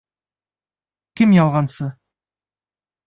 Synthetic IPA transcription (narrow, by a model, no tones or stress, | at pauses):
kʲɪmjɑlˠʁɑnsə